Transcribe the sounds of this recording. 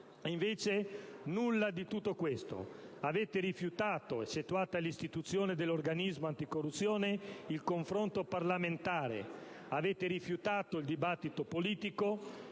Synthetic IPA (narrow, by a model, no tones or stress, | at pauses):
iɱveːt͡ʃenulːad̪it̪ut̪ːokwest̪o̰aveːt̪eɾifjut̪aːt̪oefːet̪ːuaːt̪alːist̪it̪ut̪sːjoːned̪elːorɡanizmoant̪ikorːut̪sːjoːneilkoɱfɾont̪oparlament̪aːɾḛ | aveːt̪eɾifjut̪aːt̪oild̪ibat̪ːit̪opoliːt̪iko